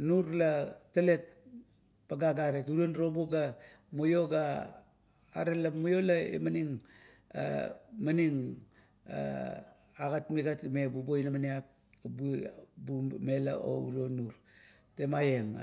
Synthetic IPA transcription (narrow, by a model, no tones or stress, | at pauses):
nuɾlatːale̞t̚ | paɡaɡaɾe̞tuɾionɾo̞boɡamujo̞ɡaː | ɾelamujo̞laḛmaniŋ | a̰maniŋ | a̰ | aɡatmiɡatme̞bubojnamaniap̚ | bubume̞la̰ʔo̰ṵɾio̞nuɾ | te̞majeŋ